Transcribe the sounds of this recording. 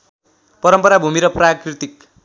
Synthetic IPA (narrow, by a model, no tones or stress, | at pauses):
pʌɾʌmpʌɾabʱumiɾʌprakrit̪ik̚